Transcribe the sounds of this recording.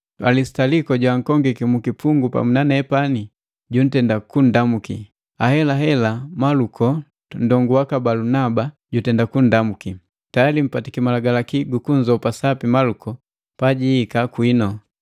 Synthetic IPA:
alisi̥talikɔɟwaŋ̩kɔŋɡikimukipuŋɡupa̰munanɛɛpani | ɟun̩tɛndakun̩damukḭ | ahɛlaɦɛlamalukʰɔ | n̩dɔŋɡuwakabalunaba | ɟutɛndakundamuki | tajalim̩patikimalaɡalakiɡukunzɔpasapimalukɔ | paɟiːkakwinɔ

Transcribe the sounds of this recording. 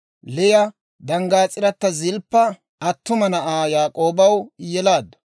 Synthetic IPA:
lɛjɐ | d̪ɐŋɡaːt͡sʼɪɾɐt̪ːɐzɪlpːɐ | ɐt̪ːʊmɐnɐʔaːjaːkʼo̞ːbɐwjɛlaːd̪ːɐ̥

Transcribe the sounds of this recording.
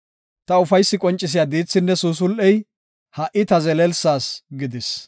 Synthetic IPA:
t̪ɐʊfɐjsːɪkʼɔnt͡ʃʼːɪs̬ɪjaːd̪iːt͡sːɪnːɛsuːs̬ʊlʔɛj | hɐʔɪt̪ɐzɛlɛlsaːsɡɪd̪ɪs

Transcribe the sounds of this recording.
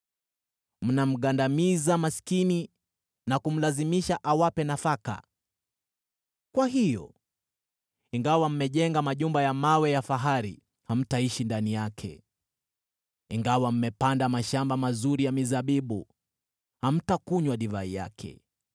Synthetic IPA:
m̩nam̩ɠandamizamasi̥kini | nakum̩lazimiʃaʔawapɛnafaka̰ | kwaɦijɔ̰ | iŋɡawam̩mɛʄɛŋɡamaʄumbajamawɛjafaɦaɾḭ | ham̩taiʃindanijakʰɛ̰ | iŋɡawam̩mɛpandamaʃambamazuɾijamizaɓiɓṵ | ham̩takuɲwaɗivaḭja̰kʰɛ̰

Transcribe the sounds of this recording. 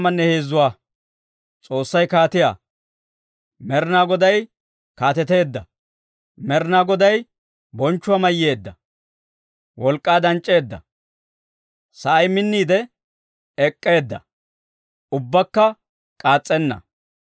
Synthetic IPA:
mɐnːɛheːzːʊwaː | t͡sʼo̞ːsːɐjkaːt̪ɪja̰ː | mɛɾɪnaːɡɔd̪ɐj | kaːt̪ɛt̪e̞ːd̪ːɐ | mɛɾnaːɡɔd̪ɐj | bɔnt͡ʃːʊwamɐjːe̞ːd̪ːɐ | wʔɔlkʼːaːd̪ɐnt͡ʃʼːe̞ːd̪ːɐ̰ | sɐʔɐjmɪnːiːd̪ɛ | ɛkʼːe̞ːd̪ːɐ̰ | ʊbːɐkːɐ | kʼaːt͡sʼːɛnːɐ̰

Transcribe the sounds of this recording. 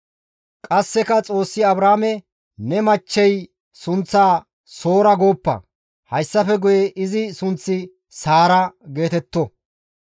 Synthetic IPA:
kʼɐsːɛkɐt͡sʼo̞ːsːɪɐbɾaːmɛ | nɛmɐt͡ʃːɛj | sʊnt͡sːaː | so̞ːɾɐɡo̞ːpːɐ̰ | hɐjsːɐfɛɡʊjɛʔɪzɪsʊnt͡sːɪ | saːɾɐɡe̞ːt̪ɛt̪ːɔ

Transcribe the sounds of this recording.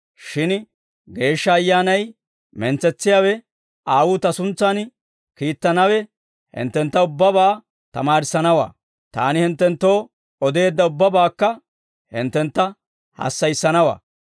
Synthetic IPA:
ʃɪn | ɡe̞ːʃːɐːjːaːnɐj | mɛnt͡sɛt͡sːɪjaːwɛ | aːwʊt̪ɐsʊnt͡sːɐn | kiːt̪ːɐnɐwɛ | hɪ̰nt̪ːɛnt̪ːɐʊbːɐbaː | t̪ɐmaːɾɪsɐnɐwa̰ː | t̪a̰ːnɪhɪnt̪ːɛnt̪ːo̞ː | ɔd̪e̞ːd̪ːɐʊbːɐbaːkːɐ | hɪ̰nt̪ːɛnt̪ːɐ | hɐ̰sːɐjsːɐnɐwa̰ː

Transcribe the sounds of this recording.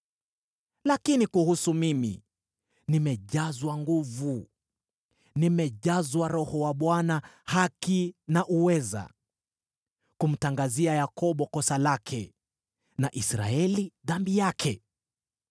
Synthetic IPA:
lakinikuhusumimḭ | nimɛʄazwaŋɡuvu | nimɛʄazwaɾɔhɔwaɓwanahakinaʔuwɛza̰ | kum̩taŋɡaziajakɔɓɔkɔsalakʰɛ | naʔisɾa̰ɛliðambijakʰɛ

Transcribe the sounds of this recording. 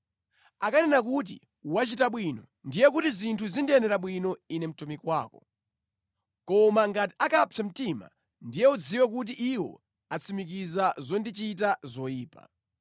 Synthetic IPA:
akanɛnakut̬ḭ | uwat͡ʃitaɓwinɔ | ndijɛk̬utizintʰuzindiɛnɛɾaɓwinɔinɛm̩tumikwaːkɔ̰ | kɔmaŋɡati̥akapʰam̩tima̰ | ndijɛud͡ziwɛk̬ut̬iʔiwɔ̰ | at͡sʰimik̬izazɔndit͡ʃit̬azɔjiːpa̰

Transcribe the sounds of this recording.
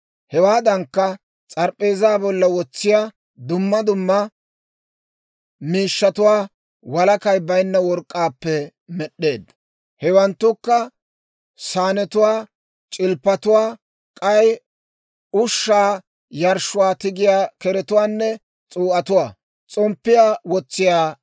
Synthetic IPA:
hɛwaːd̪ɐŋkːɐ | t͡sʼɐɾpʼːe̞ːzaːbɔlːɐwɔt͡sːɪja | d̪ʊmːɐd̪ʊmːɐ | miːʃːɐt̪ʊwaː | wɐlɐkɐjbɐjnːɐwɔɾkʼːaːpːɛ | mɛɗːe̞ːd̪ | hɛwɐnt̪ːʊkːɐ | saːnɛt̪ʊwaː | t͡ʃʼɪlpːɐt̪ʊwaː | kʼɐj | ʊʃːaː | jɐɾʃːʊwaːt̪ɪɡɪjaːkɛɾɛt̪ʊwaːnːɛ | t͡sʼuːʔɐt̪ʊwaː | t͡sʼɔmpːɪjaːwɔt͡sːɪjaː

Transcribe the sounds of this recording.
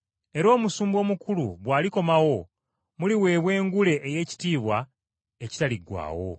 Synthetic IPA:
e̞ɾo̞ːmusuːmbo̞ːmukulṵβwaːliko̞mawo̞ | muliwe̞ːβwe̞ːŋɡule̞ʔːje̞ːci̥tiːβwa | eci̥taliɡwa̰ːwo̞̰

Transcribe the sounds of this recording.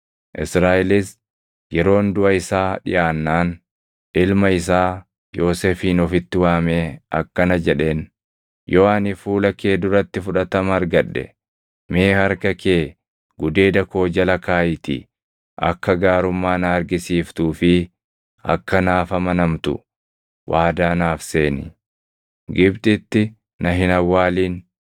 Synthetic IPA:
ʔɪsɾaːʔɪlɪs | jɛɾo̞ːnd̪ʊʔɐɪsaːᶑɪ̰ʔaːnːaːn | ᶑɪlmɐɪs̬aː | jo̞ːseːfiːnɔfɪt̪ːɪwaːmeːɐ̰kːɐnɐd͡ʒɛᶑe̞ːn | jɔːaːnɪfuːlɐkeːd̪ʊɾɐt̪ːɪfʊᶑɐt̪ɐmɐɐɾɡɐᶑːɛ̰ | meːhɐɾkɐkeː | ɡʊd̪e̞ːd̪ɐko̞ːd͡ʒɐlɐkaːjɪt̪ḭ | ʔɐ̰kːɐɡaːɾʊmːaːnɐɐɾɡɪsiːft̪uːfɪ | ɐ̰kːɐnaːfɐmɐnɐmt̪ʊ̰ | wʔaːd̪aːnaːfse̞ːnɪ | ɡɪbt̪ʼɪt̪ːɪ | nɐɦɪnɐwːaːliːn

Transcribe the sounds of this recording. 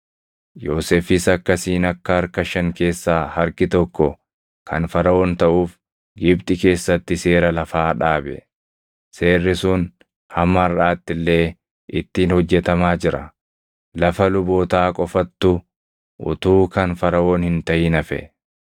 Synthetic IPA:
jo̞ːsefɪsɐkːɐsiːnɐkːɐɐɾkɐʃɐŋke̞ːsːaːhɐɾkɪt̪ɔkːɔ | kɐ̰nfɐɾɐʔoːnt̪ɐʔuːf | ɡɪbt̪ʼɪke̞ːsːɐt̪ːɪse̞ːɾɐlɐfaːᶑaːbɛ̰ | se̞ːrːɪsʊn | hɐmːɐrːaːt̪ːɪlːe̞ː | ʔɪt̪ːiːnhɔd͡ʒːɛt̪ɐmaːd͡ʒɪɾɐ̰ | lɐfɐlʊbo̞ːt̪aːkʼɔfɐt̪ːʊ | ʔʊ̰t̪uːkɐnfɐɾɐwoːnhɪnt̪ɐʔɪnɐfɛ̰

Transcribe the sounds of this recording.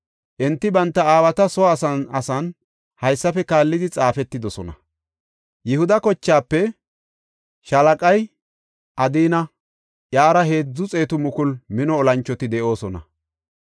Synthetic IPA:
ʔɛnt̪ːɪbɐnt̪ːɐaːwɐt̪ɐsɔwaːsɐnɐsɐn | hɐjsːɐfɛkaːlːɪd̪ɪt͡sʼaːfɛt̪ːɪd̪ɔsɔnɐ | jɪhʊd̪ɐkɔt͡ʃːaːpːɛ | ʃɐlɐkʼɐj | ʔɐd̪iːnɐ | ʔjaːɾɐhe̞ːd͡zːʊt͡sʼe̞ːt̪ʊmʊkʊlmɪnɔːlɐnt͡ʃːɔt̪ɪd̪ɛʔo̞ːsɔnɐ

